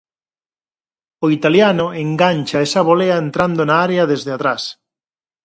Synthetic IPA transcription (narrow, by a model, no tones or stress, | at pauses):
oit̪aljanoeŋɡanʲt͡ʃaesaβ̞oleaent̪ɾand̪onaaɾeɐðezðeat̪ɾas